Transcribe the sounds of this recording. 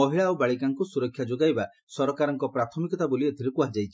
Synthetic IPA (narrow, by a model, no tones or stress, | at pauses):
ɔɦiɭawbaɭikaŋkusuɾɔkʰːjad͡ʒoɡajba | sɔɾɔkaɾɔŋkɔpɾat̪ʰɔmikɔt̪abolied̪ʰʱiɾɔkuad͡ʒajt͡ʃʰi̥